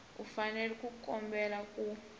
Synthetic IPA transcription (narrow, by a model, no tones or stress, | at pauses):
ufanɛlɛkʼukʼɔmbɛlakʼu